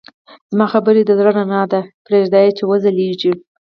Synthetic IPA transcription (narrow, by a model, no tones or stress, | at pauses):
z̥mɑxabəɾed̪əd̪ɾənanɑd̪apɾeʒd̪ɑjet͡ʃewəzaleʒi